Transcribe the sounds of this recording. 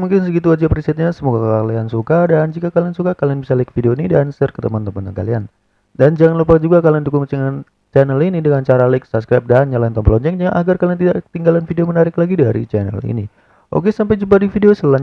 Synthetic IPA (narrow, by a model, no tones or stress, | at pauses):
muŋkɪnsəɡit̪uad͡ʒapɾisɛt̪̚ɲasəmuɡakəkaliansukadand͡ʒikakaliansukakalianbisalaɪk̚fideonidansərkət̪əmant̪əmanəka̰lian | dand͡ʒaŋanlupak̚d͡ʒuɡakaliandukʊŋt͡ʃɛŋn | t͡ʃɛnəlinidəŋant͡ʃaɾalajk̚sapskɾajp̚danɲalant̪ɔmpəlɔɲd͡ʒɛk̚ɲaʔaɡarkaliant̪idaʔt̪iŋɡalanfideomənaɾɪklaɡidaɾḭt͡ʃɛnɛ̰lḭni | ʔo̰kesampajd͡ʒup̬adifideosəla